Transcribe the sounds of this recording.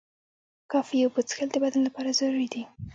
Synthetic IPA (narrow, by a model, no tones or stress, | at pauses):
kɑfijawbət͡sxəld̪əbad̪anlapɑɾazaɾuɾid̪i